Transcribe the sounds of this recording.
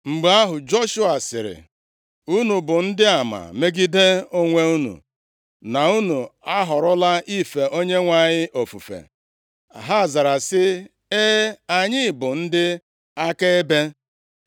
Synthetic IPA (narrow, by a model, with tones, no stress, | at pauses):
ŋ͡m̩˨ɡ͡ba˦ɦʊ˨d͡ʒo˦ʃu˦a˨sɪ̰˨ɾɪ̰˨ | u˦nu˨bʊ˨n̩˦dɪ˦a˨ma̰˨me˦ɡi˦de˦o˦ŋʷe˦u˦nṵ˨ | na˨u˦nu˨a˦ɦɔ˨ɾʊ˦la˦ʔi˦fe˨ʔo˦ɲe˦ŋʷa˨ɲɪ˦ʔo˨fṵ˨fḛ˨ | a̰˨ɦa˦a˨za˨ɾa˨sɪ˦ | e˦a˨ɲɪ˦˨bʊ˨n̩˦dɪ˦ | a˦ke˦e˦be˦